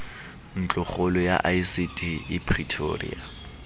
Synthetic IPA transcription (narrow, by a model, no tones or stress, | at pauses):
n̩t͡ɬʼʊχolɔja̰ʔaisitʰʼiɪpʰritʰo̰rḭa